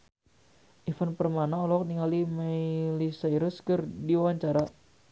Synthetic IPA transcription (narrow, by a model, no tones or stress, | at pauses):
ʔifanpərmanaɔlɔɔk̚niŋalimailisajɾəskɨrdiwawaɲt͡ʃaɾa